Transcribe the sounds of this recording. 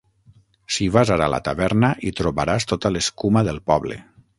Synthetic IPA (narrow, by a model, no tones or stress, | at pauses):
siβazaɾala̰t̪aβɛɾnəʔit̪ɾoβaɾast̪ot̪aleskumaðəlˠpɔβlḛ